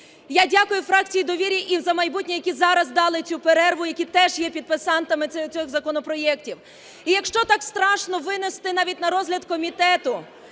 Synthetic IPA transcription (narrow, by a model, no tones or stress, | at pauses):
jadʲakʊjʊfɾɑk̚t͡sʲijid̪ɔʋʲiɾʲiʔizɐmɐjbutʲnʲijɐkʲizɑɾɐzd̪ɑlˠɪt͡sʲupeɾɛrʋʊjɐkʲit̪ɛʒjɛpʲid̪̚pɪsɑnt̪ɐmɪt͡sʲɔɣzɐkɔnɔpɾɔjɛktʲiw | ijɐkʃt͡ʃɔt̪ɑkst̪ɾɑʃnɔʋɪnest̪ɪnɑʋʲitʲnɐɾɔzɦlʲɐd̪kɔmʲit̪ɛt̪ʊ